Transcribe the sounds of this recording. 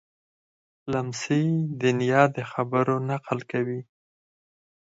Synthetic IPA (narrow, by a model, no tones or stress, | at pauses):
lamsid̪ɪnjɑd̪əxabəɾonaqəlkawi